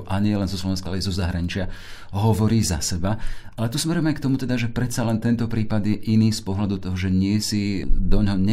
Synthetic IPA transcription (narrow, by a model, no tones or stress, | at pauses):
ʔaɲɪɛlɛnzɔslɔʋɛnskalɛizɔzaɦɾaɲit͡ʃɪa | ɦɔʋɔɾiːza̰sɛbaʔalɛt̪usmɛɾɔɛmajkt̪ɔmut̪ɛd̪aʒɛpɾɛt̪t͡salɛnt̪ɛnt̪ɔpɾiːpad̪jɛʔiniːspɔɦlad̪ut̪ɔɦɔʒɛɲɪɛsid̪ɔɲɦɔɲɛ